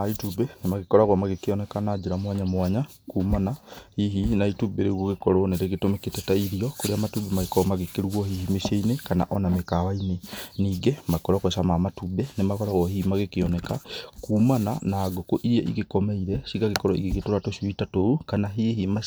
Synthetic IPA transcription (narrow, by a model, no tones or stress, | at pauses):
aitubenemaɣekɔɾaɣwamaɣekeɔnɛkanad͡ʒeɾamwaɲamwaɲa | kuːmanahiɦinaitubeɾeɣwoɣekɔɾɔneɾeɣetomeketɛtaiɾiɔkoɾeamatubemaɣekɔɾɔmaɣekeɾuwɔhihimeʃeinekana̰ʔɔnamekawaineniɡemaekɔɾɔkwɛsamamatubɛnemakɔɾaɣwɔhimaɣekeɔnɛkakuːmana̰naːɡokoʔiɾiɛʔḭɣekɔmeiɾɛsiɣaɣekɔɾɔḭɣeɣetoɾatoʃwitatoukanaɦiɦima